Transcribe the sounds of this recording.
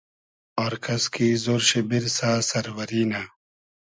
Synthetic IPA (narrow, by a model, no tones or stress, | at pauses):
ɔːɾkʰɐskiːzoːɾɕebiɾsaːsɐɾwɐɾiːna